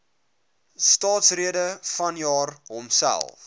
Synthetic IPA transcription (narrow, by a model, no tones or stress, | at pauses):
stɑːtsriədəfɐnjɑːrɦɔmsæ̰lˠf